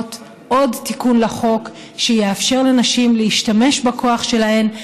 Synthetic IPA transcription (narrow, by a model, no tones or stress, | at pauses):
t | ʔo̞dtikunlaχo̞k | ʃejeafʃeʁlenaʃimleiʃtame̞ʃbakʰo̞aχʃe̞lahe̞m